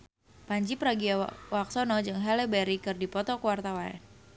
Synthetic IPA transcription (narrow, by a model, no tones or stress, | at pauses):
paɲt͡ʃipɾaɡiawak̚sɔnɔd͡ʒɨŋɦɛlɛbɛɾikɨrdipɔt̪ɔkuwart̪awaɛ̰n